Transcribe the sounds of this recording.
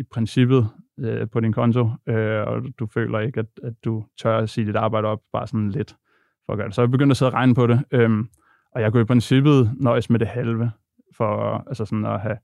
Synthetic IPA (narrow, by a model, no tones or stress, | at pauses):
ipʰʁɛnsib̥ð̩ˠøpʰɒ̽ɾinkʰɒ̽nt͡sʰo̝øɒd̥ufø̰ːlʔɐe̝ɡ̥æd̥æd̥ːut͡sʰɶɐ̰æsḭːd̥id̥ɑ̈ːb̥ɑ̈ɪɾ̥əɒ̽b̥̚b̥ɑ̈ːsɒ̽nle̝d̥ | fɒ̽ːɡ̥ɶɐd̥esɒb̥eɡøn̰d̥æse̝ðˠʁɑ̈ɪnəpʰɒ̽ɾe̝øm | ʔɒ̽jɑ̈ɪkuipʰʁɛnsib̥ð̩ˠnɒɪsmed̥e̝hælʋə | fɒælsəsɒ̽n̩ɒɦæ